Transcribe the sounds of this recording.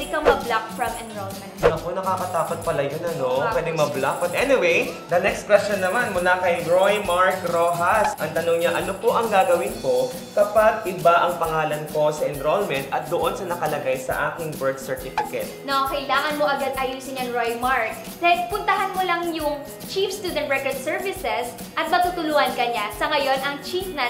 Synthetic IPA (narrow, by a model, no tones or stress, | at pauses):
d̪ɪkɐmɐblak̚fɹɐmʔɛnɾolmɛ̃nnɐkonɐkaːkɐt̪aːpɐt̪̚pɐlɐjonɐnopwɛːd̪ɪŋmɐblak̚bɐt̪ʔɛnɪwejd̪ɐnɛkst̪̚kwɛstt͡ʃonːɐmanmʊlakɐjɹojmaɹkɾoːɦɐsʔɐŋt̪ɐnoŋɲɐʔɐnopoʔɐŋɡaːɡɐwɪnpo̞ | kɐpaɡ̚ʔɪbaʔɐŋpɐŋaːlɐnko̞sɐʔɛnɾolmɛnt̪ʔɐt̪̚d̪oʔonsɐnɐkɐlɐɡajsɐ̰ʔaːkɪŋbɛɹd̪sɛɹt̪ɪfɪkɛ̰t̪̚nokɐʔɪlaːŋɐnmo̞ʔɐɡad̪̚ʔɐjuːsɪɲɐŋɹojmaɹk̪̚ | pʊnt̪ɐɦɐnmolɐŋjʊŋ | t͡ʃifst̪uːd̪ɛnt̪ɹɛkoɹd̪sɛɹvɪsɛs | ʔɐt̪̚mɐt̪uːt̪ʊluːhɐnkɐɲasɐŋɐjo̞nɐŋt͡ʃifnɐ